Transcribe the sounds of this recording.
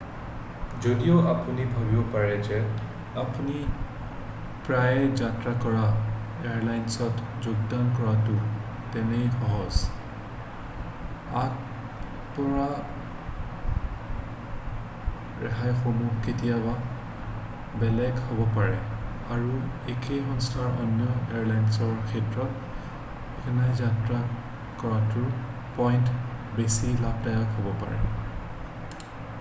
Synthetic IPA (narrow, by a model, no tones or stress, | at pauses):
zodijoapunibʱabibɔpaɹɛzɛ | apuni | pɹajɛd͡ʒatɹakɔɹaeaɹlajnsɔtd͡ʒoɡdankɔɹatu | tɛnejxɔɦɔs | at | pɔɹa | ɹɛɦajxomuɦketijaba | bɛlɛɡhobɔpaɹɛ | aɹuekexɔnstʰaɹɔ̰njɔeaɹlajnsɔɹkʰɛtɹɔt | ɛkʰɛnajzatɹa | kɔɹatʊɹ | pɔjntbesilab̚dajakɦobɔpa̰ɹɛ̰